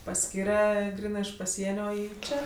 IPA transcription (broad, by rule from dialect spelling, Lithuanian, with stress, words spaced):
pɐˈsʲkʲiːrʲɛ ˈɡrʲiːnɜ ɪʃ pɐˈsʲiɛnʲoː ˈiː ˈt͡ʃʲɛ